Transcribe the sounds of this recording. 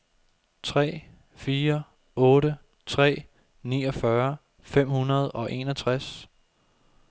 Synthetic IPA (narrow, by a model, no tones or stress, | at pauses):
t͡sʰʁɛ̰ː | fiːɐ | ɔ̽ːɾə | t͡sʰʁɛ̰ː | niːɒ̽fɶɐ | fem̰hunɐð̞ˠɒ̽ʔe̝̰nɒt͡sʰʁas